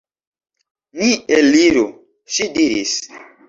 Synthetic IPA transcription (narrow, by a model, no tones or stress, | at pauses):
nieliɾo | ʃidiɾḭs